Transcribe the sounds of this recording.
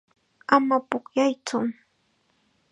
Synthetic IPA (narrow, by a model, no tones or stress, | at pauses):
amapʊkjajt͡sʊ